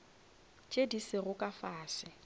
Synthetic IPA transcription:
t͡ʃʼedisɪɣʊkʼafaːswɪ

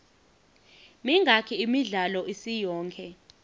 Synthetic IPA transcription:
miŋɡʱakʰiimiɮalɔʔisijɔːŋkʰɛ

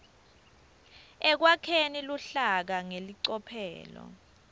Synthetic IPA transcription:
ɛk̬wakʰeniluɬak̬aŋeliǀɔpʰɛ̰ːlɔ̰

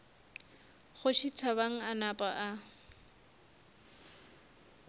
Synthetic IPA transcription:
χʊʃit͡sʰaβaŋ̩anapʼaʔa

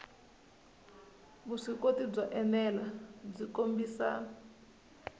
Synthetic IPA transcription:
βuʂikotib͡ʐaʔɛnɛlab͡ʐikombiːsa̰ːn

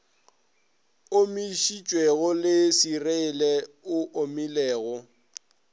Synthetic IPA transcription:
omiʃit͡ʃʼweɣʊlɪsireɪlɛʊʔomilɛːɣɔ

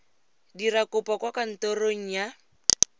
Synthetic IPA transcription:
dirakʊpɔkwakan̩toroŋ̩ja

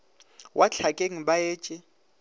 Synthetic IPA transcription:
wʔat͡ɬʰakʼeŋ̩ɓajeːt͡ʃʼɪ

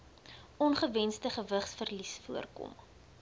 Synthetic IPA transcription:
ʔɔnχəvɛnstəχəvəχsfərlisfuərkɔ̰m

